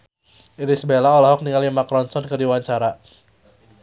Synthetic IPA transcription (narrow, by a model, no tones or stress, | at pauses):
iɾisəbelaolaɦɔk̚niŋalimakɾɔnsɔnkərdiwaɲt͡ʃaɾa